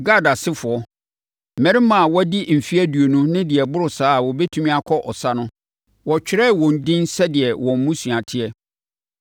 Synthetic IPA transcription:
ɡa˦˨da˨sɪ˦fʊ˨ɔ˦ | mɛ̃˨ɾɪ˦mã˨wɔ˦di˦m̩˨fi˦æ˦du˨o˨nũ˦nɪ̃˦dɪ˨ɛ˨bʊ˦ɾʊ˨saː˦˨wɔ˨bɛ˦tʰũ˦mĩ˦a˦kʰɔ˦ʔɔ˨sa˦nʊ̃˦ | wɔ˨t͡ɕᶣɪ˨ɾɛ˦˨wɔ̃˨n̩˨dɪ̃˦nsɛ˦dɪ˨ɛ˨wɔ̃˨m˦mũ˦su˨a˨tʰɪ˦ɛ˦

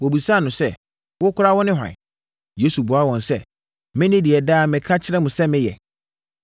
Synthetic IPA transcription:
wɔ˨bu˨sa˦˨nʊ̃˨sɛ˦ | wʊ˦kʰʊ˦ɾa˦wɔ˦nɪ̃˦ɦã̰˨n˨ | je˦su˨bʊ˨a˦wɔ̃˨nsɛ˦ | mɪ̃˦nɪ̃˦di˨ɛ˨daː˦˨mɪ̃˨kʰa˦t͡ɕʰɪ˦ɾɛ˦mʊ̃˨sɛ˦mɪ̃˦jɛ̰˨

